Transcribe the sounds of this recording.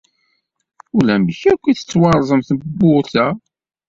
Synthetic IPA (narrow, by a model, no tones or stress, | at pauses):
ʊlæməçækʷːiθə̥t͡sːwɑɾˤzˤəmθəbːʊθæ